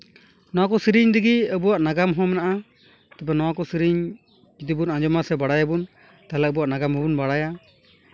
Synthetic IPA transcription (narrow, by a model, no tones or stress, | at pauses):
nɔwakɔsiɾiɲd̪iɡiəbuwaʔnaɡamɦɔ̃mɛnaʔa | t̪ɛpɛnɔwakɔsiɾiɲ | d͡ʒid̪ibunãd͡ʒɔmasɛbaɽajabun | t̪aɦlɛəbuwaʔnaɡamɦɔbunbaɽaja